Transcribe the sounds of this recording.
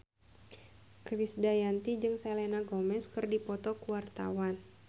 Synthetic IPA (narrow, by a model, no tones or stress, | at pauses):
kɾisdajant̪id͡ʒɨŋselenaɡomɛskɨrdipɔt̪ɔkuwart̪a̰wan